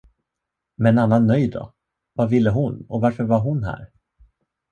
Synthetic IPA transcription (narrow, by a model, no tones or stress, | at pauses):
mɛɛnanːanːœjd̪ɔ̰ | vavɪl̪ːəɦʊnɔvaɾfœɾvaɾɦʊnɦæ̰ːɾ